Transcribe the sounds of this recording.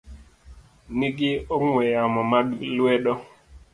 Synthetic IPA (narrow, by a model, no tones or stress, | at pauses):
niɡɪoŋwɛjamɔmalwɛɗɔ